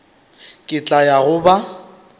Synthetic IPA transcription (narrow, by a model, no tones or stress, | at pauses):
kʼɪt͡ɬʼajaɣʊba